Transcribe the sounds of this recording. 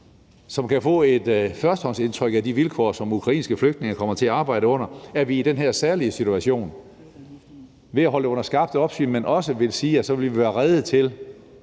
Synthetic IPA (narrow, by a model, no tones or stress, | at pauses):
sɒ̽mkʰæfɔ̰̽ːe̝d̥fɶɐsd̥hɒ̽n̰se̝nt͡sʰʁœɡ̥æd̥iʋilkʰɒ̰ːsɒ̽mukʰʁɑ̈ḭːnsɡ̥əfløɡ̥d̥̚ne̝ŋɐkʰɒ̽m̰ɐt͡sʰe̝æɑ̈ːbɑ̈ɪ̰ɾəɔ̽n̰ɐæɐʋiːd̥enɦeɐ̰sæɐliəsit͡sʰuæɕo̝̰ːn | ʋe̝æɦɒ̽ləɔ̽n̰ɐsɡ̥ɑ̈b̥̚d̥əɒ̽b̥sy̰menʔɒ̽səʋe̝lsiːæsɒ̽ʋe̝lʋiʋæːɐʁɛð̩ˠt͡sʰe̝l